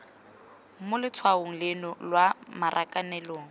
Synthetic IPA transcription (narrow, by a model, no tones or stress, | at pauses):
mʊlɪt͡sʰwaoŋ̩lɪnɔlwamarʔakʼanɛloːŋ̩